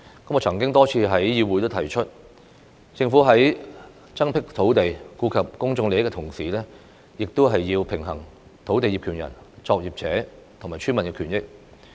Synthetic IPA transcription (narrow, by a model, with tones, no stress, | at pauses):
kɐ˥mkɔː˨˧t͡sʰɐ˨˩ŋk̬ɪ˥ŋt̪ɔː˥t͡sʰiː˧ɦɐ˨˥jjiː˧wuː˨˥jt̪o˥wt̪ʰɐ˨˩jt͡ʃʰɵ˥t̚ | t͡sɪ˧ŋfuː˨˥ɦɐ˨˥j | t͡sɐ˥ŋpʰɪ˥k̚t̪ʰo˨˥wt̪e˨jkuː˧kʰɐ˨p̚kʊ˥ŋt͡sʊ˧ŋle˨jɪ˥kːɛ˧t̪ʰʊ˨˩ŋsiː˨˩lɛː˥ | jɪ˨k̚t̪o˥ɦɐ˨jːiː˧wpʰɪ˨˩ŋɦɐ˨˩ŋ | t̪ʰo˨˥wt̪̬e˨ji˨pkʰyː˨˩njɐ̰˨˩n | t͡sɔː˧k̚jiː˨p̚t͡sʰɛː˨˥ | t̪ʰʊ˨˩ŋmaː˨˩t͡ʃʰyː˥mɐ˨nkɛ˧kʰyː˨˩njɪ˥k̚